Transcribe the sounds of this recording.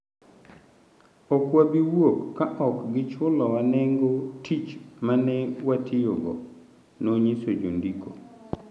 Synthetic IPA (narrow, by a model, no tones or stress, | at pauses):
ɔkwabiwokːaʔɔkɡɪt͡ʃʊlɔwanɛŋɡotʰit͡ʃmanɛwatʰɪjoɡɔ̰ | noɲisod͡ʒo̰ndikʰo